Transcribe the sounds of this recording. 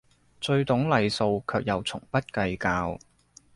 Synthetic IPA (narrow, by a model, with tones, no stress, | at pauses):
t͡sɵ˧ɥt̪ʊ˨˥ŋlɐ˨jso˧wkʰœː˨˧k̚jɐ˨wt͡sʰʊ˨˩ŋpɐ˥t̚kɐ˧jkaː˧w